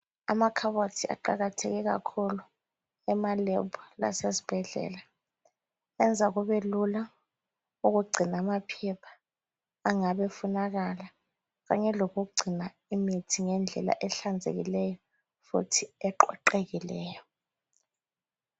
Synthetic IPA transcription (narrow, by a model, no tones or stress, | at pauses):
a̰makʰaɓotʰia̰ǃaɣatʰekɛk̬a̰kʰulu | ɛmalɛbʰʱula̰sesi̥b̥ʱɛɮɛ̰ːla | ɛnd͡zʱak̬uɓelula | uk̬uɡ͡ǀʱinamapʰɛpʰḁː | ŋaɓɛfunak̬ala | ɣaɲɛlok̬uɡ͡ǀʱina | imitʰiŋɛnd͡ɮʱɛ̰la̰ʔɛɬand͡zʱḛɣ̬ḭlɛjɔ | fṵtʰiɛǃɔǃeɣ̬ilɛːjɔ